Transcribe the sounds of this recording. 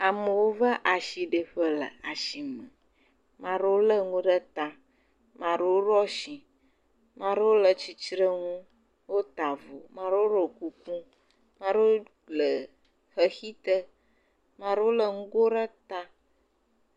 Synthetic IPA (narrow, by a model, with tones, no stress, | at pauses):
a˨mə˨wo˦və˦ʔa˨ʃi˨ɖə˨ɸə˦lə̰˨a˨ʃi˨mə̰̃˨ | mã˨ɖe˦wo˦lə˦ŋũ˦ɖə˦t̪a˦ | mã˨ɖə˦wo˦ɖɔ˦ʃi˨ | mã˨ɖə˦wo˦lə˨t͡ʃi˨t͡ʃɾə˦ŋũ˦ | wo˦t̪a˨vo˨mã˨ɖe˦wo˦ɾo˨ku˦kũ˦ | mã˨ɖə˦o˦ | lə˨ | xə˦xi˦t̪ə˦ | mã˨ɖə˦wo˦lə˦ŋũ˦ɡo˦ɖə˦t̪a˦